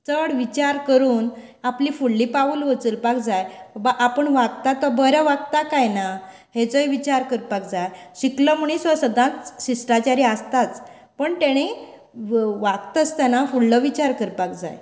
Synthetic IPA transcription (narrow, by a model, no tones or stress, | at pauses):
t͡səɽʋit͡ɕaɾkəɾuːn | aplifuɭːipaʋuːlʋət͡səlpak̚d͡zajbaʔapəɳʋaɡt̪at̪ɔbəɾjaʋaɡ̚t̪akajna | het͡səjʋit͡ɕaɾkəɾpak̚d͡zajɕiklɔmuɽ̃isɔsəd̪ʱãt͡s̪ɕisʈɾat͡ɕaɾiast̪at͡s | pəɳt̪eɽ̃i | ʋaɡt̪əst̪anafuɭlɔʋit͡ɕaɾkəɾpakd͡za̰j